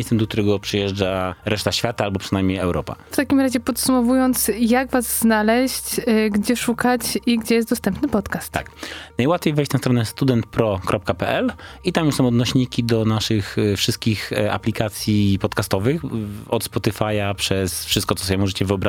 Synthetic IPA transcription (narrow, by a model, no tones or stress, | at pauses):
ɛst̪ɛmd̪ɔk̚t̪uɾɛɡɔpʂɨjɛʐd͡ʐaɾɛʂt̪aɕfʲjat̪aalbɔpʂɨnajmʲɲejɛwɾɔ̰pa̰ft̪akʲimɾaʑɛpɔt̪sumɔvujɔnt̪sjaɡvazznalɛɕt͡ɕɡd͡ʑɛʂukat͡ɕiɡd͡ʑɛjɛst̪d̪ɔst̪ɛmpnɘpɔt̪kast̪ːaknajwat̪fʲejvɛjɕt͡ɕnast̪ɾɔnɛst̪ud̪ɛnt̪pɾɔkɾʔɔp̚kapɛʔɛlit̪amjusɔ̃w̃ɔd̪nɔɕɲikʲid̪ɔnaʂɘxfʂɘst̪̚kʲixa̰plʲikat̪sʲjipɔt̪kast̪ɔvɘxɔt̪spɔt̪ɘfajapʂɛsfʂɘst̪kɔt̪ɔsɔbʲjɛmɔʐɛt͡ɕɛvɨɔbɾa